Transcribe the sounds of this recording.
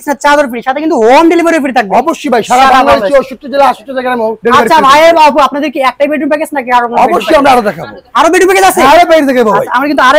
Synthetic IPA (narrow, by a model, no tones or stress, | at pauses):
t͡ɕʰnat̪t͡ɕad̪oɾfiɾiʃat̪ʰekint̪uɦomɖelibaɾifiɾit̪ʰak̚beɔboʃːojbʱajʃaaaɾaamaioʃut̪ːod͡ʑelaaʃut̪ɾot̪ɛkeamoɖeliaɾiabʱajebapuapnad̪eɾkiɛk̚ʈajbeɖumpeket͡ɕʰnakiaɾokonoɔboʃːojamɾaaɾod̪ɛkʰaaɾobeɖumpeked͡ʑat͡ɕʰeaɾepaiɾt̪ʰɛkebɔaaamaɾkint̪uaɾ